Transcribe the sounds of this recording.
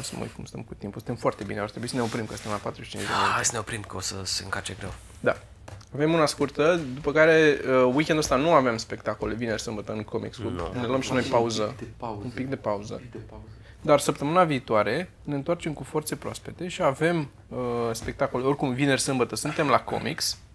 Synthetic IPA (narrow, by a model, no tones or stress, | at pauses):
msəmə̰ṵj̪̚kumst̪ə̰mkut̪impusɨnt̪emfoart̪e̞bineart̪ɾebuisəneo̞pɾimkəsɨnt̪emlapat̪ɾuʃit͡ʃḭnt͡ʃd͡ʒd̪ḛoajsəneopɾimkəosəseɨŋkat͡ʃeɡɾe̞w | d̪a | ave̞munaskurt̪əd̪upəkaɾe̞əwikʲend̪oəst̪anuavemspe̞k̚t̪akole̞vinerʲsɨmbət̪əɨnko̞mḭkskuneluoəmʃinojpauzəumpik̚d̪e̞pauzə̰ | d̪arsəpt̪əmɨnaviːt̪oaɾe̞ | ne̞ɨnt̪wart͡ʃe̞mkufo̞rt̪sepɾoa̰spe̞t̪e̞ʃiave̞m | əspe̞k̚t̪ako̞leo̞rʲkumvine̞rʲsɨmbət̪əsunt̪e̞mlako̞̰mḭks